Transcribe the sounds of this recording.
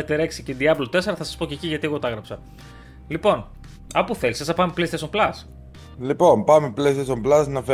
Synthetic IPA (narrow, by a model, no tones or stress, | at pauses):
ɐt̪eɾeksiced̪iɐblot̪e̞se̞ɾɐθɐsɐ̥spo̞ceciʝɐt̪ie̞ɣo̞t̪ɐɐɣɾɐpsɐ | lipo̞n | ɐpuθe̞lisesɐpɐmeplesiesomlɐs | lipo̞npɐmeplesesomblɐsnɐfe